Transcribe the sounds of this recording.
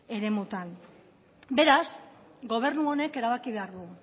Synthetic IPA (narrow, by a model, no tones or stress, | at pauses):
e̞ɾe̞mut̪an | be̞ɾasɡo̞β̞e̞ɾnuo̞ne̞ke̞ɾaβakiβe̞aɾðu